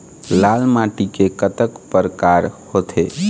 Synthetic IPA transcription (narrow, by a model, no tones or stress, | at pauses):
lalmaʈikekət̪əkpəɾkaɾhot̪ʰe